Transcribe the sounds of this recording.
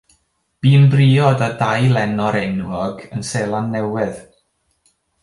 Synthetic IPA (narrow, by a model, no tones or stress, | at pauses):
b̥iːnbriːɔdadajlˠɛnɔɾɛnwɔɡənseːlˠanːɛwɪð̥